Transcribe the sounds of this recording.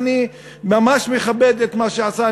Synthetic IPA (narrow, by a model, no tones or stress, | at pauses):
ni | mamaʃmeχabed̪et̪maʃeasa